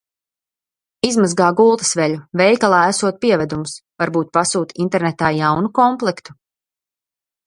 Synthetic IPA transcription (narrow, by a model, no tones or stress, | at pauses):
izmazɡaːɡulˠt̪ɐ̥svɛʎuvɛjkalˠɑːæsuɔt̪̚piɛvɛd̪umusvaɾbuːt̪̚pasuːt̪int̪ɛɾnɛt̪aːjawnukɔmplˠɛkt̪u̥